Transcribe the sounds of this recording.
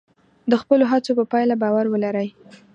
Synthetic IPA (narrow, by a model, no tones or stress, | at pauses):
d̪əxpəloɦat͡sopəpɑjlabɑwaɾwəlaɾəj